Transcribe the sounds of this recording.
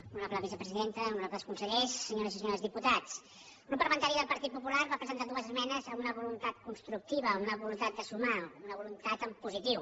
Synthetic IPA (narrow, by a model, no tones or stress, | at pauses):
unapləβizəpɾəziðent̪əunapðəskunsəʎɛsːəɲoɾəzisəɲoɾəzðiput̪at͡s | ɡɾupːəlmənt̪aɾiðəlˠpəɾt̪it̪̚pupulaɾβapɾəzənt̪ad̪uəzəzmɛnəzəmunəβulunt̪at̪̚kunst̪ɾuk̚t̪iβəunəβulunt̪at̪̚d̪əsumaunəβulunt̪at̪əmpuzit̪iw